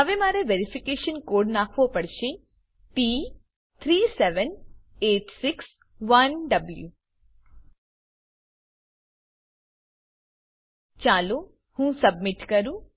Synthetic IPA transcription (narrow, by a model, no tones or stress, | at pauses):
ɐʋemaːɾeʋeɾipʰikeːʃənkoːɖnaːkʰʋopəɽʃi | piː | t̪ʰɾiːseʋən | eːʈsɪks | ʋɐnɖɐbljṵ | t͡ʃaːlu | hũːsɐbmɪʈkɐɾũ